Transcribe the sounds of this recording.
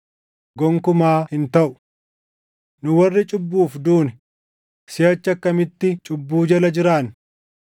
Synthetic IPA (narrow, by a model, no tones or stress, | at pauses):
ɡɔŋkʊmaːhɪnt̪ɐʔʊ̥ | nʊwɐrːɪt͡ʃʼʊbːuːfd̪uːnɛ | sɪjɐt͡ʃːɐkːɐmɪt̪ːɪt͡ʃʼʊbːuːd͡ʒɐlɐd͡ʒɪɾaːn